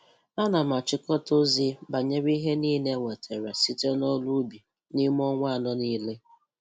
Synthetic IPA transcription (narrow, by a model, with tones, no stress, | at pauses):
a˦na˨m̩˨a˨t͡ʃɪ˦kɔ˦to˦zi˦ba˨ɲe˦ɾi˦ɦe˦niː˦ne˦ŋʷe˨tʰe˨ɾa˨si˦te˦nɔ˦lu˦bi˨ | ni˦m˦ɔ˦ŋʷa˦˨nɔ˦niː˦le˦